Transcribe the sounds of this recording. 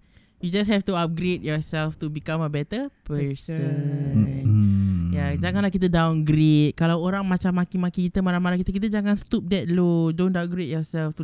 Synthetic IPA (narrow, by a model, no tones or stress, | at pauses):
jud͡ʒashɛft̪uap̚ɡɾet̚jɔsɛlft̪ubikaməbɛt̪əpəsə | njad͡ʒaŋanlahkit̪ədãwnɡɾet̪̚kalawoɾaŋmãt͡ʃamːãkimakikit̪əmalamalaŋkit̪əkit̪̬əd͡ʒaŋanst̪up̚dɛt̪̚lodõntap̚ɡɾet̚jɔsɛlft̪u